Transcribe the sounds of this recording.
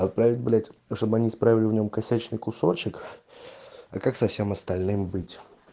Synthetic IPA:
ɐt̪̚pɾavʲɪt̚ʲblʲætʲʂt̪obɨɐnʲispɾavʲɪlʲɪvnʲo̞mkɐsʲæt͡ɕnɨjkʊso̞t͡ɕɪk | ɐkaksɐfsʲe̞mɐst̪ɐlʲnɨmbɨtʲ

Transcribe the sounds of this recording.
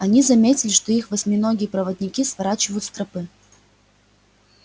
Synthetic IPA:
ɐnʲizɐmʲetʲɪlʲɪʂt̪o̞ixvɐsʲmʲinoɡʲɪjəpɾəvəd̪ʲnʲɪkʲisvɐɾat͡ɕɪvəjʊt̪st̪ɾɐpɨ

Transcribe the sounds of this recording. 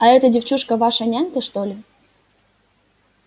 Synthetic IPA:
ɐɛt̪ədʲɪft͡ɕuʂkəvaʂɐnʲanʲk̪əʂt̪olʲɪ

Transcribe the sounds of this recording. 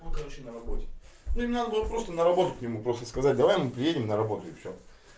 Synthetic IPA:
ot̪xɐɾoɪnəɾɐbotʲɪ | nʲomʲnad̪əbulət̪̚pɾo̞st̪ənəɾɐbo̞t̪ət̚ʲknʲɪmupɾo̞st̪ə̥skɐzat̚ʲd̪ɐvajmɨpɾʲɪjedʲɪmnəɾɐbo̞t̪ʊɪfsʲo̰

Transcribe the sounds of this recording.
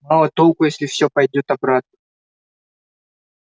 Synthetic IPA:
malˠət̪olˠkʊjesʲlʲɪfsʲopɐjdʲo̞t̪ɐbɾat̪̚nə

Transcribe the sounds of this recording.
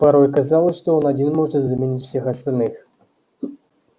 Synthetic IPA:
paɾɔjkazalˠɐʂt̪ɔɔnad͡zʲinmɔʐəzamʲenʲitʲwsʲɛxɐst̪alʲnɨx

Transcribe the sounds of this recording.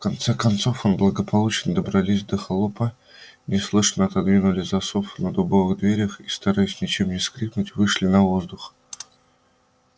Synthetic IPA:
fkɐnt̪sɛkɐnt̪so̞fonblˠəɡəpʰɐlˠut͡ɕɪnəd̪əbɾɐlʲisʲd̪əxɐlˠopə | nʲɪslˠɨʂənəɐt̪ɐd̪vʲinʊlʲɪzɐsofnəd̪ʊbovɨɣd̪vʲeɾʲəxist̪ɐɾajɪsʲnʲɪt͡ɕemnʲɪskɾʲiknʊtʲvɨʂlʲɪnɐvo̞zd̪ʊx

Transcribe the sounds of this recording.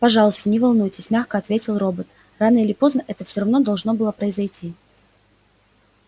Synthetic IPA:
pɐʐɑlˠʊst̪ənʲɪvɐlˠnujtʲɪsʲmʲaxkəɐt̪vʲetʲɪlˠro̞bət̪ | ranəilʲɪpo̞znəʔɛt̪əfsʲoɾɐvno̞d̪ɐlˠʐno̞bɨlˠəpɾəɪzɐjtʲi

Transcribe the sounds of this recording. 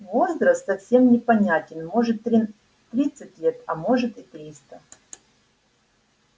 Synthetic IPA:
vo̞zɾəst̪sɐfsʲe̞mnʲɪpɐnʲætʲɪnmo̞ʐɨt̪ɾʲ | t̪ɾʲit̪sɨtʲlʲet̪ɐmo̞ʐɨt̪ɪt̪ɾʲist̪ə

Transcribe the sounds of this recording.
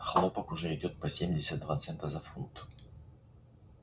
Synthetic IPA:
xlˠopəkʊʐɛɪdʲo̞t̪̚pɐsʲemʲdʲɪsʲət̪̚d̪vat̪sɛnt̪əzɐfunt̪

